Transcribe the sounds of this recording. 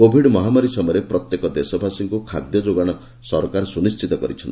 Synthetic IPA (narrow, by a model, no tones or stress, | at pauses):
kobʱiɖmɔɦamaɾisɔmɔjɾepɾɔt̪jekɔd̪esɔbʱasiŋkukʰa̰d̪jɔd͡ʒoɡaɽ̃ɔ | sɔɾkaɾɔsunist͡ʃʰit̪ɔkɔɾit͡ʃʰɔnt̪i